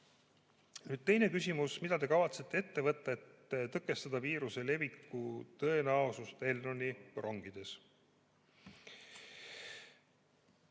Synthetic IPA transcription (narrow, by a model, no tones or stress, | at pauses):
nyːd̪̥̚t̪e̞jne̞kysʲimusmid̪̥ɑd̪e̞kɑvɑt̪se̞t̪ːe̞e̞t̪ːe̞vɤt̪ˑːɑe̞t̪ːt̪ɤkːˑe̞st̪ɑd̪̥ɑviːɾuse̞le̞bikːut̪ɤe̞næosust̪elnonʲːirʔoŋɡ̥id̪̥e̞s